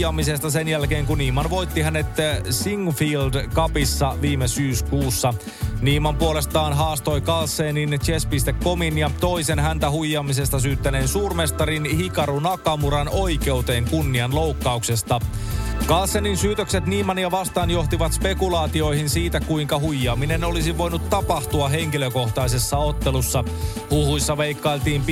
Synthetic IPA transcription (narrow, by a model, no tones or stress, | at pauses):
ɑmise̞st̪ɑsenjælke̞ːŋkunːiːmɑnʋo̞jt̪ːiɦæne̞t̪siŋfildkɑpisːɑʋiːmesyːskuːsːɑ | niːmɑmpuole̞st̪ɑːnɦɑːst̪o̞jkɑlsːeːnint͡ʃespist̪ekːo̞minjɑt̪o̞isenɦænt̪æhujːɑːmis̬e̞st̪ɑs̬yːt̪ːæneːnsuːrme̞st̪ɑrinhikɑɾunɑkɑmuɾɑno̞jke̞wt̪e̞ːŋkunːiɑnlowkːɑukse̞st̪ɑ | kɑlsːeninsyːt̪økset̪niːmɑnjɑʋɑst̪ɑːnjo̞ht̪iʋɑt̪spe̞kulɑːt̪io̞ihinsiːt̪ækuiŋkɑhujːɑːmine̞no̞lisiʋo̞jnut̪ːɑpɑht̪uɑɦe̞ŋkiløko̞ht̪ɑise̞sːɑo̞t̪ːelusːɑ | huhujsːɑʋeikːɑijlt̪iːmp